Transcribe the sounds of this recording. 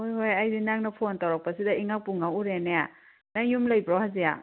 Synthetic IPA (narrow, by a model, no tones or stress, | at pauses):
hojɦojajdinaŋnɐpʰontawɾak̚pɐsidɐiŋak̚puŋauɾeneja | naŋjumlɐjbɾɔhazija̰